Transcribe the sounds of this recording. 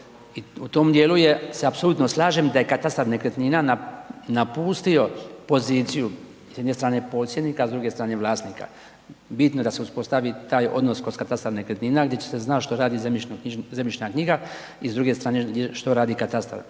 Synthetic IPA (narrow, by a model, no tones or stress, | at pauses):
iut̪omd̪jeluje̞seapso̞lˠuːt̪noslˠaːʒemd̪ajekat̪ast̪aɾnekɾet̪ninananapuːst̪io̞po̞ziːt̪siju | sjed̪nest̪ɾaːne̞po̞t̪sje̞d̪nikaːzd̪ɾuːɡe̞st̪ɾaːne̞ʋlˠaːst̪nika̰ | bit̪noj̪aseuspo̞st̪aʋit̪aːjo̞̰d̪noskozkat̪ast̪aɾnekɾet̪niːnaɡd̪jet͡ɕe̥se̞znaʃt̪o̞ɾaːd̪izemizemjit͡ʃnakɲiɡa | izd̪ɾuːɡe̞st̪ɾaːneɡeʃt̪o̞ɾaːd̪ikat̪ast̪a̰ɾ